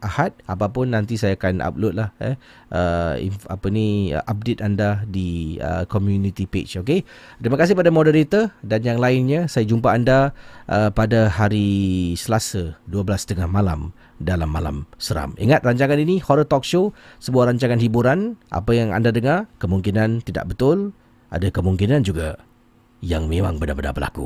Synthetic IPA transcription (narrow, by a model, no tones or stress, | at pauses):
ʔahat̪̚apapʊnːant̪̬isajaːkanʔa̰p̚lʊt̪̚lahɛ | əḭa̰pənḭʔap̚det̪andadiə̰kɔmjunit̪ipḛt͡ʃoket̪ɾimakas̬ɪhpadamɔdəɾit̪ədanjaŋlaɪnɲəsajad͡ʒumpaːndaʔəpadahaɾisəlasaduabəlast̪əŋahmala̰m | dalamːala̰msəɾa̰mḭŋat̪̚raɲt͡ʃaŋaninihɔɾət̪ɔk̚ʃosəbuaɾaɲt͡ʃaŋanɦibuɾanʔa̰pajaŋa̰ndadəŋarkəmuŋkinant̪ida̰ʔbət̪ʊl | ʔa̰dakəmuŋkinand͡ʒuɡa | jaŋmẽmaŋbədabəda̰bəla̰kṵ